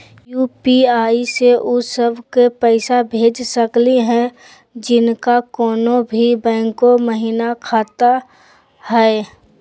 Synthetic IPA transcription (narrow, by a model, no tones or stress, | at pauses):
juːpiaːiseʔʊsəbʱkepɛɪsabʱeːd͡ʒsəkliɦɛ̃ | d͡ʒɪnkakɔːnobʱibɛ̃ːŋkoməɦiːnakʰaːt̪a | hɛː